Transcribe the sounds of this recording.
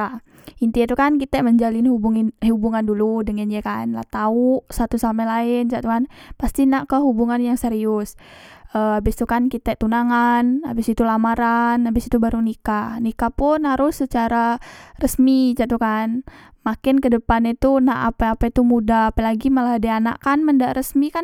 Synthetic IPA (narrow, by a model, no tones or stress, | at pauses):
a | int̪iit̪ukankit̪ɛʔməɲd͡ʒalɪnhubuŋhubuŋanduludəŋənakanla̰t̪auʔsat̪usamɛlaɪnt͡ʃaʔt̪ukanpast̪inaʔkəɦubuŋanjaŋseɾiʊsəabɪst̪ukankit̪ɛt̪unaŋana̰bɪsit̪ulamaɾanabɪsit̪ubaɾunikanikapʊnɦaɾʊsːət͡ʃaɾarəsmit͡ʃaʔt̪ukan | makɪnkədəpanit̪unaʔa̰paapait̪umudaapalaɡiməlaɦadaana̰ʔkanməndaʔɾəsmikan